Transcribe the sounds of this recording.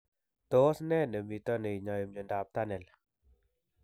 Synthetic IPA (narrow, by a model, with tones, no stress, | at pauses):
to˨˦snɛ˦˨nə˨mi˨tɔ˦ne˨i˨ɲa˨ji˨mɲo˨ndap̚ta˦nɛ˨l